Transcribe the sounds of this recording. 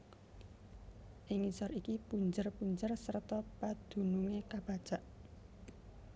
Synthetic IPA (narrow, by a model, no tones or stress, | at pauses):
ʔɪŋisɔɾikipuɲd͡ʒərpuɲd͡ʒərsərt̪ɔpad̪̥ṳnuŋekab̥a̤d̥ʒ̥a̤ʔ